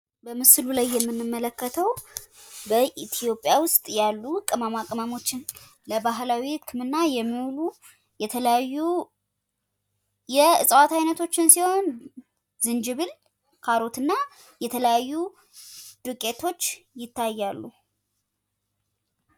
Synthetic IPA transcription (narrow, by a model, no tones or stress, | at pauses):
bəmɨslulajːɛmːɨnːɨmːələkːət̪ʰəw | bəʔit̪ʰijo̞pʼjawʊst̪ʼjalːukʼːɨmamakʼəmamo̞t͡ʃːɪn | ləbaɦlawiɨkʰːɨmɨnːajɛmːiwlu | jɛt̪ʰələjajːu | jɛɨsʼəwat̪ajnət̪ʰo̞t͡ʃːɪnsiho̞n | zɨnd͡ʒɨβɨl | kʰaɾo̞t̪ɨnːa | jɛt̪ʰələjajːu | d̪̥ɨkʼe̞t̪ʰo̞t͡ʃːjɪt̪ʰːajːalːu